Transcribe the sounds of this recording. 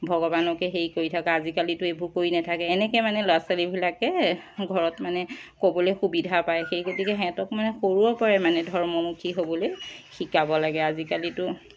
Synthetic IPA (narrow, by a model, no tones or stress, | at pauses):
bʱɔɡɔbanɔkɛxeɹikoɹitʰakɛazikalitʊebʱukoɹinatʰakɛːnɛkɛmanɛloasalibʱilakɛɡʱɔɹɔtmanɛkobɔlojxubidʱapajxejkotikɛɦɛ̃tɔkmanɛxoɹuɔpɔɹɛmanɛdʱɔɹmɔmukʰiɦobɔlojxikabɔlaɡɛazikalitʊ